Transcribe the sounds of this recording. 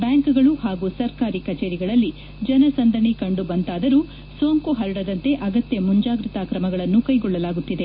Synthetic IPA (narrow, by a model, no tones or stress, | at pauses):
bjaːŋkuɡɐɭuhaːɡusɐɾkaːɾikɐt͡ʃeːɾiɡɐɭɐlːi | d͡ʒɐnɐsɐnd̪ʱɐɳikɐɳɖubɐnt̪aːd̪ɐɾu | soːŋkuɦɐɾɐɽɐd̪ɐnt̪e̞ʔɐɡɐt̪jɐmuɲd͡ʒaːɡɾit̪aːkɾɐmɐɡɐɭɐnːukɐjɡɔɭːɐlaːɡut̪ːid̪e̞